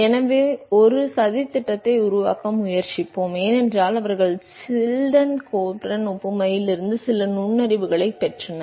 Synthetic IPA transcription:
ɛnɐʋeːɔɾɯsɐðɪt̪ːɪʈːɐt̪ːɐɪʊɾʊʋa̰ːkɐmʊjɐɾt͡ʃɪpːoːmeːnɛndraːlɐʋɐɾɣɐɭsɪlɖɐnkoːpɾɐnʊpːɯmɐjɪlɪɾɯnd̪ɯsɪlɐnʊɳːɐɾɪʋɯɣɐɭɐɪpːɛʈrɐnɐ

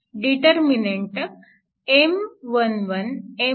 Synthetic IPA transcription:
ɖiʈəɾmineɳʈək | emʋənʋəne

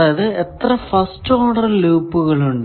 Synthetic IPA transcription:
ɐðɨet̪rɐfɐsʈːoːɽɐrluːpːuɣɐɭuɳɖɨ

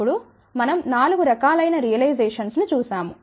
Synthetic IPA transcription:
uɽu | mɐnɐmnaːluɡuɾɐkaːlɐjnɐɾijɐlɐjzeːʂɐnsnut͡ʃuːsaːmu

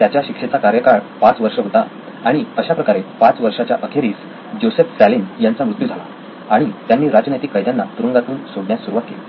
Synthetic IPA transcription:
t̪jat͡ɕjaɕikʂet͡sakaɾjəkaɭpat͡sʋəɾʂəɦot̪a | aɽ̃iəɕapɾəkaɾepat͡sʋəɾʂat͡ɕjaʔəkʰeɾiːs | d͡ʑosefsælinjant͡samɾut̪jud͡zʱala̰ | aɽ̃it̪janːiːɾad͡ʑənet̪iːkːəjd̪janːat̪uɾəŋɡat̪uːnsoɽɳjasːuɾuʋakkːḛli

